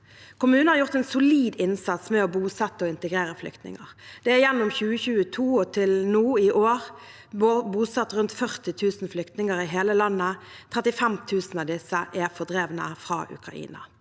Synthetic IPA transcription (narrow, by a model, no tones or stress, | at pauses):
kʰʊmʉːnəhɑʁjʊʁt̪ɛːnsʊliːd̪ɪnsɑt̪smɛɔbuːsɛt̪ːəɔɪnt̪əɡɾeːɾəflʏ̰kt̪nɪ̰ŋəʁd̪̥ɛæjɛnːʊmçʉːəçʉːət̪ʰuːɔt̪ʰɪlnuːɪʔoːʁ | buːsɑt̪ːʁʉnt̪fœʁt̪ɪt̪ʰʉːsn̩flʏkt̪nɪŋəɾɪɦeːləlɑnːət̪ʰʁɛt̪ɪfɛmt̪ʰʉːsn̩ɑʋd̪ɪsːəʔɛʁfɔʁd̪ɾeːʋnə̰fʁɑ̰ʔʉ̰kʁɑ̰ʔḭːnɑ̰